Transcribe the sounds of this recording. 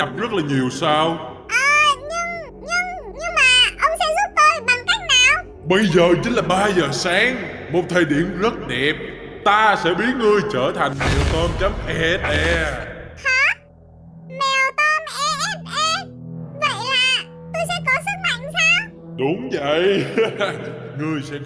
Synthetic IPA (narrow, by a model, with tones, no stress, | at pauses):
ɗa˨˩p̚zə˦˥t̚laː˨˩ɲi˨˩əwsaː˧w | ʔaː˨ɲɨ˧ŋ | ɲɨ˧ŋɲɨ˧ŋmaː˨˩ʔə˧wŋ͡msɛ˧˥zə˦˥t̚t̪ə˧˩jɓa˨˩ŋk̪ːt̚naː˧˥ | ɓə˧jzəː˨˩t͡ɕi˨˦n̟laː˨˩ɓaː˧zəː˨˩saː˨˦ŋmo˨˩t̚t̪ʰe˨˩ɗḭ˧˩əmzə˦˥t̚ɗɛ˨˩p̚t̪aː˧sɛ̰˧˥ɓi˦˥ət̚ŋɨ˧əjt͡ɕəː˧˩t̪ʰa˨˩jŋ̟mɛ˨˩wt̪ɔ˧mt͡ɕə˨˦mʔɛ˧ɗɛ˧haː˨˧˦ | ma˨˩t̪aː˧ma˨˧ʔə˧˩və̰˧˨jaː˨˩t̪o˧sɛ̰˧˥kɔ˧˩sə˦˥k̚ma̰˧˨ŋfaː˨˦˥ɗʊ˨˦ŋ͡mvə̰˧˨j | ŋɨ˧əjsɛ̰˧˥